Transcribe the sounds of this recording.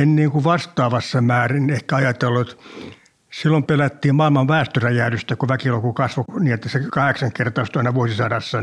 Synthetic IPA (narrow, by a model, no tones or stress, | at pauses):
enniːŋkuʋɑst̪ɑːʋɑsːɑmæːrinehkæɑjɑt̪elːuet̪ | silːompelæt̪ːiːmmɑilmɑʋʋæːst̪øræjæːdyst̪ækuʋækilokukɑsʋoniːnet̪ːæsekɑheksɑŋkert̪ɑːst̪oɑinɑʋuosisɑdɑsːɑ